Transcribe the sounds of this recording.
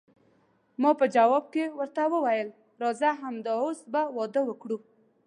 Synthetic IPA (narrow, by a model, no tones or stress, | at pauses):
mɑpəd͡ʒawɔb̚kewəɾt̪awəwajəl | ɾɑzaɦamd̪əosbawɔd̪əwəkɽu